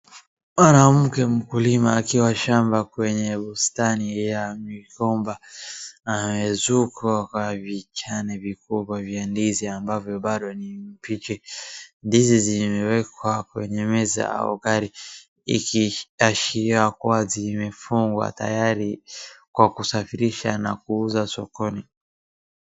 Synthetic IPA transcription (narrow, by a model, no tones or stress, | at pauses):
manam̩kɛm̩kulimaːkiwaʃambakwɛɲɛɓustanijamikɔmbaː | mɛzukakwavit͡ʃanɛvikuɓwavjandiziambavjɔɓaɗɔnim̩pit͡ʃɛndizizimɛwɛkwakwɛɲɛmɛza̰a̰ɔ̰ɡaɾi | ḭkiaʃiɾiwakuwazimɛfuŋɡwa̰ta̰jaɾikwakusafiɾiʃana̰kuuzasɔkɔni